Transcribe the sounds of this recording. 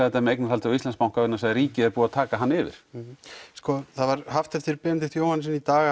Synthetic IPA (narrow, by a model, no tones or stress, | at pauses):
aɛt̪amɛejknḁhalt̪ʰɪɔist̪ɛnspawŋkavʏɾnasaðɾriːcɪɛɾpuːat̪ʰaːkaɦanːɪːvɪ̰ɾ̥ | skɔθaðvaɾɦaft̪ɛft̪ɪɾpɪːnt̪ɪθjoːwhansɪnit̪aːɣa